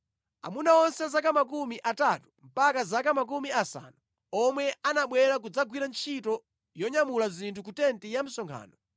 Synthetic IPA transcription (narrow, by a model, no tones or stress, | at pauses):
a̰munaɔnsɛzakamak̬umiʔatatu̥m̩pakazakamak̬umiasa̰ːnu | ɔmwɛʔanaɓwɛɾak̬ud͡zaɡwiɾant͡ʃʰitɔ | jɔɲamulazintʰukutɛntijam̩sɔŋkʰa̰ːnɔ